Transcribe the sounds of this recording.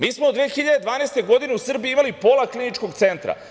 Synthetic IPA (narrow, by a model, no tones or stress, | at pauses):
miːsmoud̪ʋeːxiʎad̪ed̪vʋaːnest̪e̞ɡo̞d̪ine̞usr̩biiimalipo̞laklinit͡ʃko̞ɡt̪se̞nt̪ɾa̰